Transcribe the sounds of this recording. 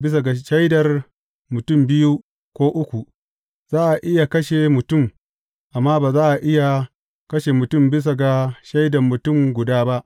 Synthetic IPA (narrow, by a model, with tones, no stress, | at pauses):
bɪ˦s̬a˨ɡa˨ʃa˦jdɐ˨r | mʊ˨tʊ˦mbɪ˦ju˦ | kʷoː˦ʔʊ˦kʷu˨ʔ | z̥aː˦ʔa˨ʔɪ˦ja˨kɐ˦ʃe˨mʊ˨tʊ˦˨m | ʔa˨mːaː˦baː˨zaː˦ʔa˨ʔɪ˦ja˨ | kɐ˦ʃe˨mʊ˨tʊ˦˨mbɪ˦s̬a˨ɡa˨ʃa˦jdɐ˨mːʊ˨tʊ˦˨mɡʷʊ˨daː˦ba˦ʔ